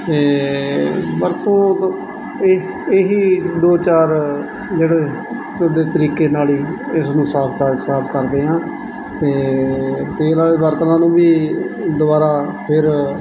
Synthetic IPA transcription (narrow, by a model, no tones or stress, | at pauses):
t̪eː | bəɾt̪õː | eɦiːd̪oːt͡ʃaːɾ | d͡ʒeːɽeː | d̪eːt̪əɾiːkeːnaːliːɪsnũːsaːpʰkəsaːpʰkəɾd̪eːɦãː | t̪eːt̪eːlaːbəɾt̪nãːnũːbiːd̪ʊbaːɾaːpʰɪɾ